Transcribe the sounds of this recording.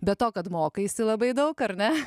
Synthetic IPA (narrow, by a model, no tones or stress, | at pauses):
bʲɛt̪toːkɐt̪moːkɐɪsʲɪlˠɐbɐɪd̪ɐʊkɐɾnʲɛ